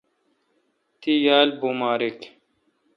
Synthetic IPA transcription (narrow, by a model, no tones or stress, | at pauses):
t̪ijaːlbumaːɾek